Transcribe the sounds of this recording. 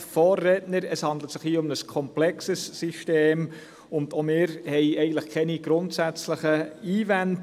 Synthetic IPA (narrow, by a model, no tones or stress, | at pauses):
fɔːrːɛtnəɾɛshɑndlətsɪχhiːʊmnəskʰɔmplɛksəsːiʃteːm | ʊndomɪːɾhɛɪɛɪɡən̩tləχkʰɛniɡ̥ɾʊntsæt͡sləχəiːvɛnt